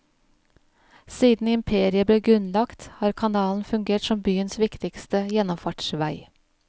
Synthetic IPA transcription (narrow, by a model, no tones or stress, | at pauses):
siːd̪n̩ɪmpʰeːɾɪəbleːɡɾʉnlɑkt̪hɑːɾkʰɑnɑːln̩fʉŋɡeːʈsɔmbyːənsʋɪkt̪ɪkst̪əjɛnɔmfɑʈʃʋæɪ